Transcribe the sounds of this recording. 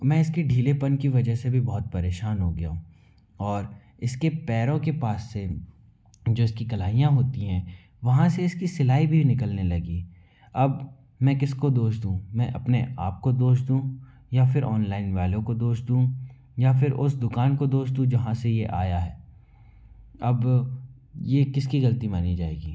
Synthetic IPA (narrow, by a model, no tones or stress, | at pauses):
mɛ̃ːɪskeɖʱiːlepɐnkiʋɐd͡ʒəɦsebʱibɔːʊt̪̚pɐɾeːʃaːnɦoɡɐjaũ | ɔːɾ | ɪskepɛːɾõkepaːsːe | d͡ʒoːɪskikɐlaːijãɦoːt̪iɦɛ̃ː | ʋɐɦãseɪskisɪlaːibʱinɪkəlnelɐɡiː | ɐb | mɛ̃ːkɪskod̪oːʃd̪ũmɛ̃ʔɐpneʔaːp̚kod̪oːʃd̪ũ | jafɪɾʔɔːnlaːɪnʋaːlõkod̪oːʃd̪ũ | jafɪɾʊ̰sd̪ʊkaːnkod̪oːʃd̪ũd͡ʒɐɦãsejeʔa̰ːjaɦɛː | ɐb | jekɪskiɣɐlt̪imaːnid͡ʒaːḛːɡiː